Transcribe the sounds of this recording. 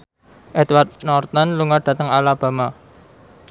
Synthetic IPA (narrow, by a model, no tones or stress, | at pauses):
ʔɛt̪ward̪̚nɔrt̪ɔnluŋaɖ̥ä̤t̪əŋalab̥a̤ma